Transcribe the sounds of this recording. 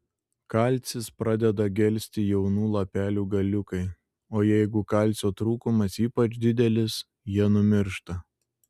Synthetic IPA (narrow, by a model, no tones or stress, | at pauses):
kɑlʲt̪sʲɪspɾɑd̪ʲɛd̪ɐɡʲɛlʲsʲt̪ʲɪjɛʊnuːlˠɐpʲæːlʲuːɡɐlʲʊkɐɪ | oːjɛɪɡʊkɑlʲt̪sʲoːt̪ɾuːkʊmɐsiːpɐd͡ʒʲd̪ʲɪd̪ʲɛlʲɪs | jiɛnʊmʲɪɾʃt̪ɐ